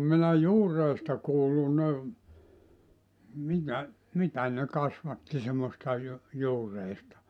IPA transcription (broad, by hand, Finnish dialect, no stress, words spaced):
minæ juːrˑeistɑ kuːlːu ne mitæ mitæ ne kɑsʋɑtːi semːostɑ ju juːreistɑ